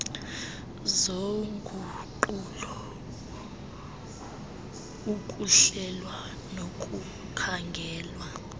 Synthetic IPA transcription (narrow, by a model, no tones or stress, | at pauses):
zoŋɡʱuǃulɔ | ukʼuɬɛlwa | nokʼu | kʰaŋɡʱɛːlwa